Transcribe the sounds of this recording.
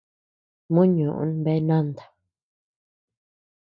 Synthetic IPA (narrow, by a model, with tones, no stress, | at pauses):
mũ˦ɲũ˨ʔṵ̃˧˦nbe˧˦nã˦nd̪ḁ˨